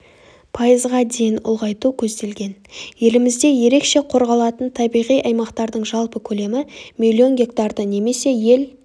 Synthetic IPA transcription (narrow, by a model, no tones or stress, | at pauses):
pʰɑjəzʁɑd̪e̞jɪnʊ̰lˠʁɑjt̪ukʲʰɵzd̪e̞lɡʲe̞nje̞lɪmɪzd̪e̞je̞ɾe̞kʃe̞qʰo̞ɾʁɑlˠɑt̪ənt̪ʰɑbijʁijɑjmɑqt̪ɑɾd̪əɴʒɑlˠpəkʲʰɵle̞mɪmʲilʲːio̞nɡʲe̞k̚t̪ɑrd̪əne̞me̞se̞je̞l